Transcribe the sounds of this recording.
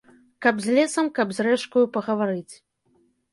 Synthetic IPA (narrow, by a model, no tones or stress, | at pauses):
kɐbzʲlʲɛsɐmkɐbzʲrɛʂkujupɐɣɐvaɾɨt͡sʲ